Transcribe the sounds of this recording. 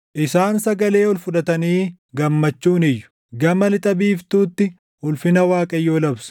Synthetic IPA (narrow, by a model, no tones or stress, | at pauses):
ʔɪsaːnsɐɡɐle̞ːɔlfʊᶑɐt̪ɐniː | ɡɐmːɐt͡ʃːuːnɪjːʊ̥ | ɡɐmɐlɪt̪ʼɐbiːft̪uːt̪ːɪ | hʊlfɪnɐwaːkʼɐjːoːlɐbsʊ̥